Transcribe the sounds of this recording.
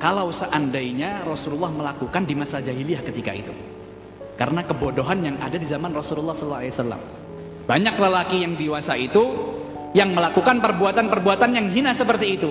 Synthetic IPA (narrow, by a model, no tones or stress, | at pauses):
kalawsəʔandaiɲarɔsululˠːɑhməlakukandimasad͡ʒaɦiliahkət̪ika̰ḭt̪ṵ | kaɾənakəbodoɦanjaŋadadizamanrɔsululːɑhsllːalesalːa̰m | b̥aɲakləlakijaŋdiwasait̪u | jaŋməlakukanpərbuat̪anpərbuat̪anjaŋɦinasəpərt̪iːt̪u